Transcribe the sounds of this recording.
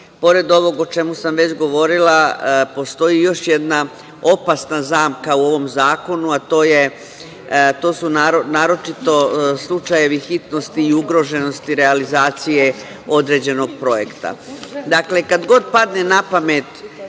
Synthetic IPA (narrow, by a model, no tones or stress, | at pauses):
po̞ɾe̞d̪o̞ʋo̞ɡo̞t͡ʃe̞musamʋe̞t͡ɕɡo̞ʋo̞ɾilapo̞st̪o̞ijo̞ʃjed̪na | o̞pasnazaːmkauo̞ʋo̞mzaːko̞nuat̪o̞ːje̞ | t̪o̞ːsunaɾonaːɾo̞t͡ʃit̪o̞slˠut͡ʃaje̞ʋixit̪no̞st̪iːuɡɾo̞ʒe̞no̞st̪iɾe̞alizaːt̪sije̞ | o̞d̪ɾe̞d͡ʑe̞no̞ɡ̚pɾo̞je̞kt̪a̰d̪akle̞kad̪ɡo̞d̪̚pad̪ne̞napame̞t̪